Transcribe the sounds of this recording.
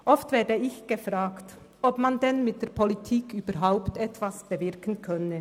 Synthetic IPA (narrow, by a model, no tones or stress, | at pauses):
ʔɔftv̥ɛːɐdəɪçɡ̥əfʁaːkt | ʔɔpmandɛnmɪt̚d̥eːɐpʰolitʰiːkyːbɐɾɦaʊptɛtv̥asb̥əvɪʁkən̩kʰœnə